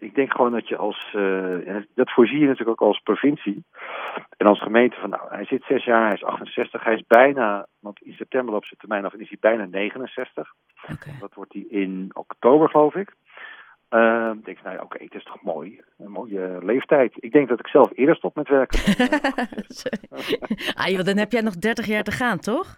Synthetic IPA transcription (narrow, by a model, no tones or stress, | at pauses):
ɪɡ̚dɛŋkχəʋoːndɔtjəʔɑ̰lˠsɛndɑtfʊːɹzijənatyːləkowkɑlˠsprofɪnsi | ɛnɑlˠsχəmejntəfɔnːa̰whɛjsɪtsɛsjaːɹɦɛjɪsɑ̰χtənsɛstəχɦɛjɪzbɛjnaʋɑntɪnsɛp̚tɛmbəɹlowpsətəɹmɛjnɔfɛnɪsibɛjnaːnejχənənsɛstəχ | dɔtʋɔɹt̚iɪnɔ̰ktowbəɹχəlowfɪk | ədɛŋkna̰wʔo̰kḛjtɪstʰɔ̥χmo̰ːj | ənmoːjəlejftɛjtɪɡ̚dɛŋɡ̚dɑtɪksɛlˠfɪədəɹstɔpmɛtʋɛɹkə | s | ʔa̰jodɔnɦɛpjɛjnɔχdɛɹtəχjaːɹtəχaːntɔχ